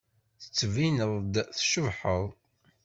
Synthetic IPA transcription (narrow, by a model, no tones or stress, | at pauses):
θə̥t͡sːvinəðˤd̪θʃəvħəðˤ